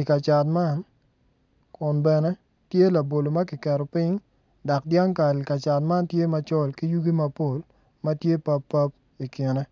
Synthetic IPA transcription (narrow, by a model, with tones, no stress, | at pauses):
i˨ka˨t͡ʃa˨tma˦˨n | kʊ˨nbɛ˨nɛ˦ | tje˦la˨bo˨lo˨mɐ˦kɪ˨kɛ˨ɾɔ˨pɪ˦ŋ | da˨k̚dja˦ŋka˨ka˨t͡ʃa˨t̚ma˦ntje˦ma˨t͡ʃɔ˦˨lki˦ju˦ɡi˦ma˦po˦˨l | mɐ˦tje˦pa˦pːa˦p̚ | i˨ki˨nɛ˦